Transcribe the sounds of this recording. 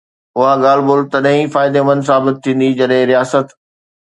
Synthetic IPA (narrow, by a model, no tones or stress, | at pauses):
ʊɦaɠaːlboːlt̪ɐɗɐ̃ɦĩfaːɪd̪emɐ̃nd̪s̬aːbɪt̪̚ʰːĩːn̆d̪id͡ʑɐɗɦɪ̃ɾijaːsət̪